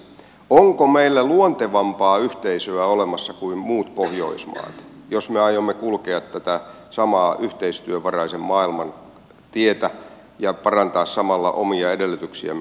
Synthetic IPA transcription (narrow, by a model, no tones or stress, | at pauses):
oŋkomeilːæluont̪eʋɑmpɑːyht̪eisøæolemɑsːɑkuimmuːt̪pohjo̰ismɑ̰ːt̪josmeɑjomːekulkeɑt̪tæt̪æ | sɑmɑːʔyht̪eist̪yøʋɑrɑisemmɑːilmɑn | t̪iet̪æ | jɑpɑrɑnt̪ɑːssɑmɑlːɑ̰ʔo̰miɑedelːyt̪yksḭæ̰